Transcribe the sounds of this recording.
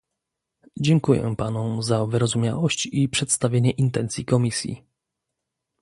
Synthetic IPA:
d͡ʑɛŋkujɛ̰panɔ̃zavɘɾɔzumʲja̰wɔɕt͡ɕipʂɛt̪st̪avʲjeɲɛʔint̪ɛnt̪sʲjikɔmʲisʲjḭ

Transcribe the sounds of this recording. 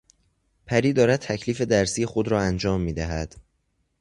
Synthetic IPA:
pʰæɾiːd̪ɒːɾæd̪̚t̪ʰæcʰliːfe̞d̪æɾsiːjexod̪ɾɒːænd͡ʒɒːmːiːd̪æɦæd̪̥

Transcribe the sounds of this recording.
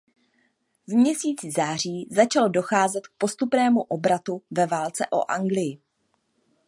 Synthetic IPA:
vmɲɛsiːt͡sɪzaːr̝iːzat͡ʃalodo̞xaːzɛt̪k̚po̞st̪upnɛːmuʔo̞bɾat̪uvɛvaːlt͡sɛ̰ʔo̞̰ʔaŋɡlɪjɪ

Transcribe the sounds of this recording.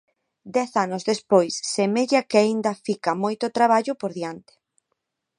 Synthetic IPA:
d̪ɛθanʊzðespojsːemeʎakɪaind̪ɐfikamojt̪ot̪ɾaβ̞aʎʊpoɾðiant̪ɪ̥

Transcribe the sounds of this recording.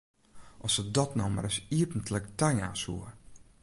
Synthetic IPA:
ʔɔsədɔtnɔwma̰ɾəsiəpən̩tləktajna̰ːsuər

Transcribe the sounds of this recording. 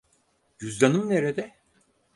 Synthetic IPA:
ɟyzd̪anɯmneɾed̪ɛ

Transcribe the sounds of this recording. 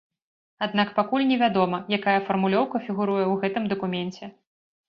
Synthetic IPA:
ad̪nakpakulʲnʲɛvʲad̪ɔmɐjakajɐfɐrmulʲɔwkɐfʲiɣuɾujɛwɣɛt̪ɨmd̪ɐkumʲɛnt͡sʲɛ

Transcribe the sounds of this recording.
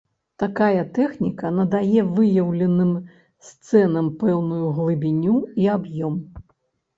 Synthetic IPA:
t̪akajɐt̪ɛxnʲikɐnɐd̪ajɛvɨjɐwlʲɛnɨm | st̪sɛnɐmpɛwnujuɣlˠɨbʲinʲuiabjɔm

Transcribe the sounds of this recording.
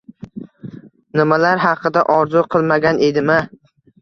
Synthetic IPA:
nɪmalaɾɦɑqʰɨd̪aʔɒɾzʊqʰɨlˠmaɡʲanʔe̞d̪ɪma

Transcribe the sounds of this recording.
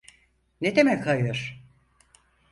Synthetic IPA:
ned̪emɛkhajɯɾ̥

